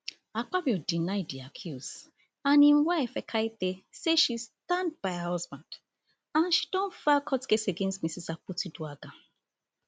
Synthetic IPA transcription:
ak͡pabɔdinaɪdiakʰjuz | anĩm̩waefɛkʰait̪eseʃistãnd̚baɪahɔzbãnd̥ | anʃi̥dɔ̃nfakʰɔtkeseɡẽnstmisisak͡putiduaɡa

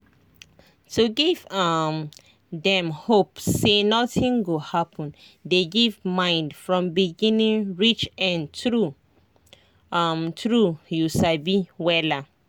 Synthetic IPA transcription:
tuɡivam | dɛ̃mhopsːenɔtĩŋɡohapʰɔ̃n | deɡivmãɪ̃ndfɹɔ̃mbiɡĩnĩŋɹit͡ʃɛ̃ntɹu | mtɹujusabiwɛla

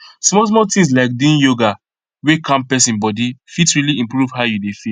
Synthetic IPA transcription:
smɔs̬mɔtĩŋs̬laɪk̚dĩnjoɡa | wekʰãmpɛsĩnbɔdifitsɹiliĩmpɹuv̥ɦaʊjudefi

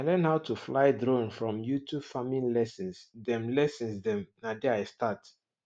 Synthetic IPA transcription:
alɛ̃nhaʊtʰuflaɪdɹõnfɹɔ̃mjutubfamĩnlɛsɛ̃nsdɛ̃mlɛsɛ̃nsdɛ̃mnadɛaɪstat

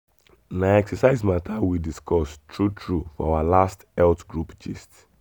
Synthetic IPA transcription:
naɛksasaɪzmatʰawidiskɔstɹutʰɹufɔ̰awalastɛltɡɹupd͡ʒist

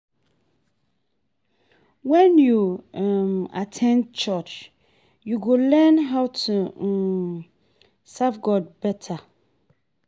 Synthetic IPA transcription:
wɛ̃njumatʰɛ̃ndt͡ʃʰɔt͡ʃ | juɡolɛnɦaʊtʰu | savɡɔd̚bɛtʰa

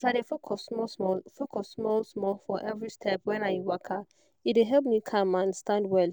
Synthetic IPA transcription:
taɾefokʰɔsɔsmɔlfokʰɔssmɔlsmɔlfɔʔɛvɹistʰɛp̚wɛ̃naɪwakʰa | iteɦɛlˠp̬̚mikʰãmãnstãndwɛl

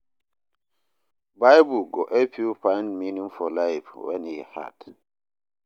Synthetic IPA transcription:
bajbuɡɔʔɛpupãjndminĩŋfɔlajfwɛ̰̃nhiha̰t

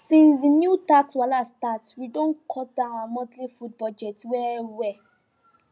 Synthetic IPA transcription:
sĩnsdinjutakswalastatwidõnkʰɔdãnaamɔ̃dlifud̚bɔd͡ʒɛtwɛwɛ

